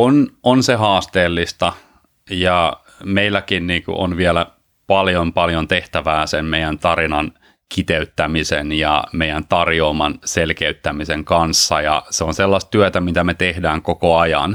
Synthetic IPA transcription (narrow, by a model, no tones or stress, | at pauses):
ononseɦɑːst̪eːlːist̪ɑ | jɑ | meilːækinniːkṵʔo̰nʋiɛlæ | pɑljompɑljont̪eht̪æʋæːsemmeijænt̪ɑrinɑn | kit̪eyt̪ːæmisḛnjɑ̰meijænt̪ɑrjoːmɑnselkeyt̪ːæmiseŋkɑnsːɑjɑ̰seonselːɑst̪t̪yøt̪æmit̪æmet̪ehdæːŋkokoɑjɑ̰n